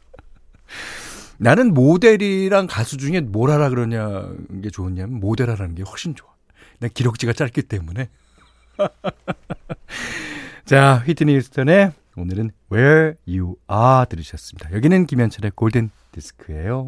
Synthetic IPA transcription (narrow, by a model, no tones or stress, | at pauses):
nanɯnmode̞ɾiɾaŋkasʰud͡ʑuŋe̞moɾɦaɾaɡɯɾʌɲaɡe̞t͡ɕoɯɲamjʌnmode̞ɾaɾanɯnɡe̞wak̚ɕ͈int͡ɕoa | nakiɾok̚t͡ɕ͈iɡat͡ɕ͈aɭk͈it͈e̞mune̞ | t͡ɕaɸɥitʰiniusʰtʰʌne̞ | onɯɾɯnwejuatɯɾɯɕʰʌs͈ɯmid̥ajʌɡinɯnkimjʌnt͡ɕʰʌɾe̞koɭden | diskʰɯe̞jo